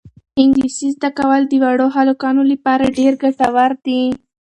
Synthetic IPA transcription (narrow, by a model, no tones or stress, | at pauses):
ɪŋɡlisizd̪akawəld̪əwaɽoɦalokɑnolapɑɾaɖeɾɡaʈawaɾd̪i